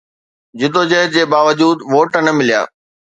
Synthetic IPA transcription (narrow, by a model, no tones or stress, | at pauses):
d͡ʑɪd̪oːd͡ʑəɦd͡ʑeːbaːʋəd͡ʑuːd̪ʋoːʈənɐmɪlija̰ː